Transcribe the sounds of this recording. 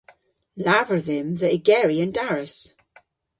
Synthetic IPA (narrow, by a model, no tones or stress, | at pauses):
lavəɹðə̃mðəʔɪɡɛɹiə̃ndaɹəs